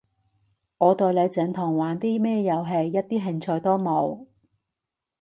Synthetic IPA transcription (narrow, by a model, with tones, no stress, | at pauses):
ŋɔː˨˧t̪ɔː˧jle˨˧jt͡sɛː˨˧nt̪ʰʊ˨˩ŋwaː˨nt̪iː˥mɛː˥jɐ˨˧wɦe˨jːɐ˥t̚t̪iː˥ɦɪ˨ŋt͡sʰɔː˧jt̪ɔː˥mo˨˧w